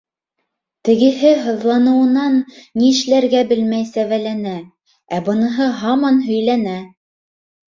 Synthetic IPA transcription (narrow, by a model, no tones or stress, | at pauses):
t̪ɘ̆ɡɘ̆ɦɘɦɤ̆ðlˠɑnɤ̆wɤ̆nɑnːiɘ̆ʃlæɾɡæbɘlmæjsævælænæ | æbɤ̆nɤ̆ɦɤɦɑmɑnɦɵ̆jlænæ